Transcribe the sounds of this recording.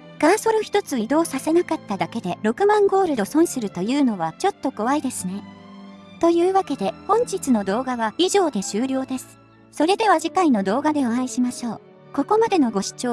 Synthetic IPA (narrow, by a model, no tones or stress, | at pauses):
ɡ̥ãɰ̃so̞ɾɯçi̥t̪o̞t͡sɨid̪o̞ːsase̞nakat̪ːad̪ake̞d̪e̞ɾo̞kɯ̟mãŋɡo̞ːɾɯ̟d̪o̞sõ̞ɰ̃sɨɾɯ̟t̪o̞jɯ̟ːno̞β̞at͡ɕo̞t̪ːo̞ko̞βaid̪e̞sɨne̞ | t̪o̞jɯ̟ːβake̞d̪e̞hõ̞ɲ̟d͡ʑit͡sɨno̞d̪o̞ːɡaβaiʑo̞ːd̪e̞ɕɨːɾʲo̞ːd̪e̞sɨ̥ | so̞ɾe̞d̪e̞βaʑikaino̞d̪o̞ːɡad̪e̞oãiɕimaɕo̞ː | ko̞ko̞mad̪e̞no̞ɡo̞ɕi̥t͡ɕo̞ː